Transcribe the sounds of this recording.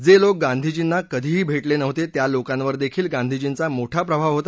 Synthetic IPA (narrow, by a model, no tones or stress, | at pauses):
d͡zelok̚ɡãnd̪ʱid͡ʑinːakəd̪ʱiːɦiːbʱeʈlenəʋt̪et̪jalokãnʋəɾd̪ekʰiːlɡãnd̪ʱid͡ʑiːnt͡samoʈʰapɾəbʱaʋɦot̪a